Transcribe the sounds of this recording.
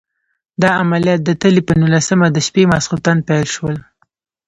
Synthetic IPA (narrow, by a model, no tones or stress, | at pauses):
d̪ɑamalijɑt̪̚d̪ət̪əlipənulasəmad̪əʃpemɑsqut̪anpajlʃwəl